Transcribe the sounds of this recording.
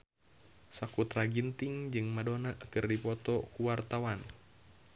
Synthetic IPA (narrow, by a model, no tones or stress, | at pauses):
sakut̪ɾaɡint̪iŋd͡ʒɨŋmadonaʔkɨrdipɔt̪ɔkuwart̪awan